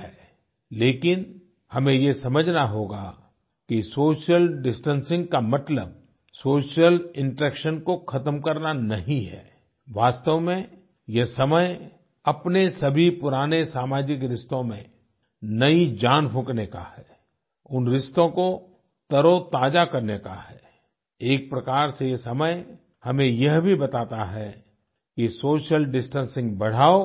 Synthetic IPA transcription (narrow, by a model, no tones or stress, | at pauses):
ɛː | leːkɪn | hɐmẽjesɐməd͡ʒʱnaɦoːɡa̰ | kisoːʃijəlɖɪsʈə̃nsɪ̃ŋɡkamɐt̪ləb̚ | soːʃjəlɪ̃ɳʈɾɛːkʃənkokʰɐt̪əmkɐɾnanɐɦĩɦɛ̰ː | ʋaːst̪əʋmẽ | jɐsɐməj | ɐpnesɐbʱipʊɾaːnesaːmaːd͡ʒɪkɾɪst̪õmẽ | nɐid͡ʒaːnfʊ̃kneka̰hɛː | ʊnɾɪst̪õko | t̪ɐɾot̪aːd͡ʒakɐɾneka̰ɦɛː | eːk̚pɾɐkaːɾsejesɐməj | hɐmẽjɐɦbʱibɐt̪aːt̪aɦɛ | kisoːʃəlɖɪsʈə̃nsɪ̃ŋɡbɐɽ̤aːo